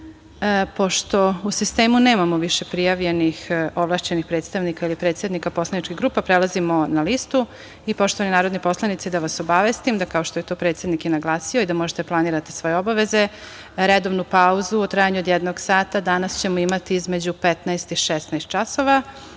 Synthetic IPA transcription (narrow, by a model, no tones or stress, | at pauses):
po̞ʃt̪o̞usist̪eːmuneːmamoʋiʃepɾijaʋʎenixoʋlˠaːʃt͡ɕe̞nixpɾeːt̪st̪aʋnikailipɾe̞ːt̪sed̪nikapo̞slˠanit͡ʃkiɣɡɾuːpapɾelˠazimonalist̪u | ipo̞ʃt̪oaninaːɾod̪nipo̞slˠanit̪sid̪aʋasobaʋest̪imd̪akao̞ʃt̪ojet̪o̞pɾe̞t̪se̞d̪nikjenaɡlˠaːsioid̪amoʒet̪eplˠaniɾat̪i̥sʋo̞jeobaʋe̞ze | ɾed̪oʋnupauzuot̪ɾaːjaɲuod̪jɛd̪noɡsaːt̪ad̪anast͡ɕemoimat̪iizme̞d͡ʑupet̪naest̪iʃest̪naest̪̚t͡ʃaso̞ʋa